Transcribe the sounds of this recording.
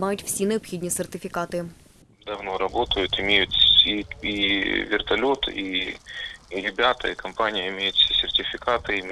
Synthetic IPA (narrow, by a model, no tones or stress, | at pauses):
majʊtʲfsʲinɨɐpxʲidʲnʲisʲɪrtʲɪfʲɪkat̪ɨ | d̪ɐvnoɾɐbo̞t̪əjʊt̪ɪmʲejʊt̪siivʲɪrt̪ɐlʲot̪i | ɾʲɪbʲat̪ə̰ɪkɐmpanʲɪjəɪmʲejʊt̪fsʲesʲɪrtʲɪfʲɪkat̪ɨɪmʲ